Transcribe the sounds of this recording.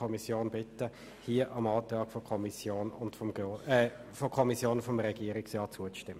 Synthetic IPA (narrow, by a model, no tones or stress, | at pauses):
ɔmisjoːnb̥ɪtːə | hiəʔɑmɑːltɑːkfɔkʰɔmisjoːnʊntfɔɛfɔkʰɔmisjoːnfɔmɾɛɡ̥iːəɾɪksjɑːt͡suət͡sʃtɪmə